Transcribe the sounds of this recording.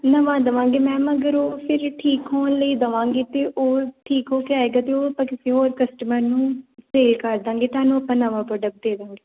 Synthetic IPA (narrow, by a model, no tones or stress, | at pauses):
nəʋãːd̪əʋãːŋɡeːmɛ̃ːməɡəɾoːpʰɪɾʈʰiːkɦoːnləiːd̪əʋãːŋɡeːt̪eːʔoːʈʰiːkɦoːkeaeːɡaːt̪eːoːəpːãːkɪsiːɦoːɾkəsʈəməɾnũːseːlkəɾd̪ãːŋɡeːt̪aːnũːəpːãːnəʋãːpɾoːɖək̚ʈ̚d̪eːd̪ãːŋɡeː